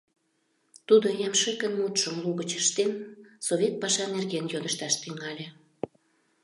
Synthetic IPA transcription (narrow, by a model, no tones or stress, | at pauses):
t̪ud̪ojɑmʃekənmut̪ʃəmluɣət͡ɕəʃt̪ensoβʲet̪̚pɑʃɑnerɣenjod̪əʃt̪ɑʃt̪yŋɑlʲe